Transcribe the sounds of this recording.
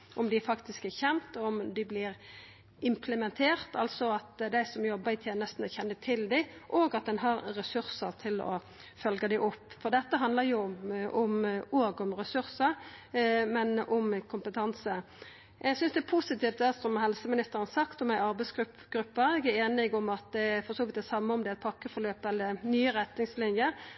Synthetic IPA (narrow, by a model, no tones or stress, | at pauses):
ʔɔmd̪ɪfɑkt̪ɪskæçɛmt̪ɔɔmd̪ɪblɪɾ | ɪmpʰləmɛnt̪ʰeːʁt̪ɑlsɔɑt̪d̪æɪsɔmjɔbːəɪt̪ʰjeːnəst̪n̩ɔçɛnːət̪ʰɪld̪ɪʔoːɡɑt̪̚d̪ɛnɦɑɾɾɛsʉɾsəɾt̪ʰɪlɔ̰ | fœlɡəd̪æɪʔɔpːfɔʁd̪ɛt̪ːəɦɑnd̪ləɾjʊʊmoːɡɔmɾɛsʉɾsəɾ | mɛnɔmkʰʊmpət̪ʰɑnsə | ʔɛɡsʏnsd̪ɛæpʰusɪt̪iːft̪æsɔmɦɛlsəmɪnɪst̪əɾənsɑkt̪ɔmæɪɑɾbɛɪsɡɾʉpɡ̥ɾʉpːəɛɡæɾeːnɪɡɔmɑt̪̚d̪ɛfɔɾsoːʋɪt̪̚d̪ɛsɑmːəɔmd̪ɛæɪt̪̚pʰɑkːəfɔɾløːpɛlːənyːəɾɛt̪nɪŋslɪnjə